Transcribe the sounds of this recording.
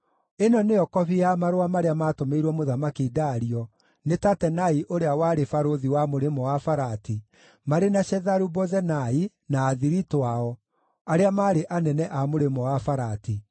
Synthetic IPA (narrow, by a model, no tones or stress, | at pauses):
enɔneɔkɔβiamaɾowamaɾeamatomeiɾwɔmoðamakidaːɾiɔ | netatɛnaiʔoɾeawaɾefaɾoðiwamoɾemɔwafaɾati | maɾenaʃɛðaɾubɔzɛnai | naːðiɾitoaɔ | aɾeamaːɾeʔanɛnɛʔamoɾemɔwafaɾati